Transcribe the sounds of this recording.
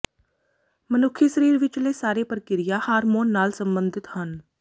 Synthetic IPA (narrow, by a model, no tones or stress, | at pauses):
mənʊkʰːiːsəɾiːɾʋɪt͡ʃleːsaːɾeːpəɾkɪɾɪjaːhaːɾmoːnːaːlsəmbənd̪ɪt̪hən